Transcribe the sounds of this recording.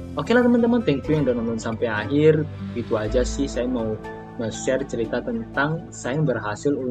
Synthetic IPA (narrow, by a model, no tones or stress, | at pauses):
ʔokelat̪əmənt̪əmənt̪ɛŋt̪ujaŋdaʔnanʊnsampɛaɦɪrfit̪uad͡ʒasɪhsajamau | məsɛrt͡ʃəɾit̪at̪ənt̪aŋ | sajambərɦasɪlu